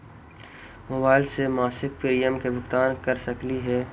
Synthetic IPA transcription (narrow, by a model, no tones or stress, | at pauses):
moːbaːɪlsemaːsɪk̚piɾijəmkebʊxt̪aːnkɐɾsɐkliɦɛː